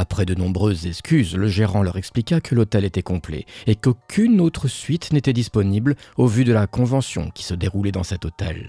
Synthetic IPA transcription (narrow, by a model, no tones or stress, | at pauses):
apχɛd̪ənɔ̃bʁøzːɛskʲyzləʒeʁɑ̃lœʁɛksplikakʰəlot̪ɛlet̪ɛkɔ̃plḛekokʲʰynot̪χəsɥit̪net̪ɛd̪ispɔniblovyd̪əlakɔ̃vɑ̃sjɔ̰̃kʲi̥səd̪eʁulɛd̪ɑ̃sɛt̪ot̪ɛ̰l